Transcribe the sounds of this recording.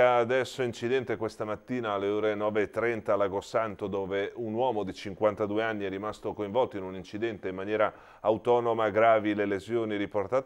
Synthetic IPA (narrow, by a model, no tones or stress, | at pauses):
aːd̪ɛsːoint͡ʃid̪ɛnt̪ekwest̪amat̪ːiːnaːlːeoːɾenɔːveːt̪ːɾɛnt̪alaɡosant̪od̪oːveunwɔːmod̪it͡ʃiŋkwant̪ad̪uːeanːiɛrimast̪okoiɱvɔlt̪oinunint͡ʃid̪ɛnt̪eimːanjɛːɾa | awt̪ɔːnomaɡɾaːvilelezjoːniɾiport̪aːt̪